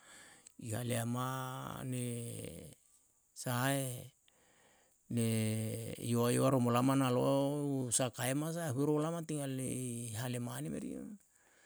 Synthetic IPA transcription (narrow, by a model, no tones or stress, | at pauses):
ihaleamane | sae | ne | ḭoajoaɾomolamanalosakaemas̬ahueɾolamat̪iŋaleɦalemanemeɾḭo̰